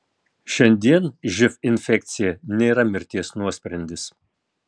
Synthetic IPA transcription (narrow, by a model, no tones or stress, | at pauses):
ʃʲɛnʲd̪ʲiɛnʒʲɪfɪnʲfʲɛk̚ʲt̪sʲɪjɛnʲeːɾɐmʲɪɾʲt̪ʲiɛsnuɔsʲpʲɾʲɛnʲd̪ʲɪs